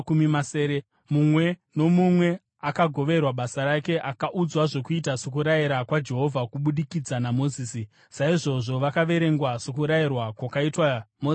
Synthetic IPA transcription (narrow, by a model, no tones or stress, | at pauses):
kumimaseːɾe | mumwe̞no̞mumwe̞ | akaɡʱo̞ʋe̞rwaɓasaɾake̞ʔakaʔud͡zwaʐo̞kuit̬asok̬uɾajiɾakwad͡ʒe̞ɦo̞vʱakuɓuɗikid͡zanamo̞ziːsi | saiʐo̞ʐo̞ʋakaʋe̞ɾe̞ŋɡwasokuɾairwakwakaitwamo